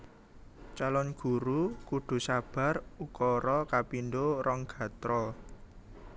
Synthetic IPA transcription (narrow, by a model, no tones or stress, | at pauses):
t͡ʃalɔnɡ̥ṳɾukuɖ̪̥ṳsab̥a̤rukɔɾɔkapinɖoɾɔŋɡ̥a̤t̪ɾɔ